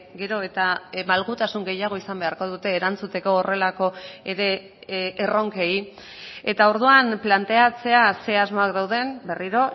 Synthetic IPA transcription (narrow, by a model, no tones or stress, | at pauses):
ɡe̞ɾo̞e̞t̪amalɣut̪asuŋɡe̞jaɣ̞o̞isambe̞aɾko̞ð̞ut̪e̞ːɾant͡sut̪e̞ko̞ːre̞lako̞e̞ɾe̞ː | ro̞ŋke̞i | e̞t̪ao̞ɾð̞uamplant̪e̞at͡se̞ase̞azmo̞akd̪awð̞e̞mbe̞riɾo̞